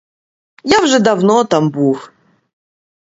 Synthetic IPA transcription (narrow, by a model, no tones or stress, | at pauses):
jawʐɛd̪avnot̪ambux